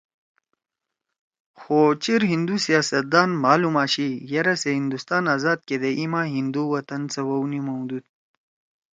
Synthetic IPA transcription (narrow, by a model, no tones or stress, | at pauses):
xoːt͡ɕiɾɦind̪usijaːsɐt̪̚d̪aːnmaːlumaːɕijɐɾɐseɦind̪ust̪aːnaːzaːd̪̚ked̪eʔimaːɦind̪uwɐt̪ɐnt͡sɐwɐwnimɐwd̪ud̪̚